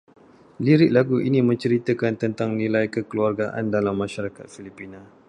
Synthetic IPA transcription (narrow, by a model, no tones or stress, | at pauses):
liɾɪʔ̚laɡuʔinimə̃ɲt͡ʃəɾit̪əkant̪ənt̪aŋnĩlajkəkəluarɡaʔa̰ndalamːãʃaɾakat̪̚filipinã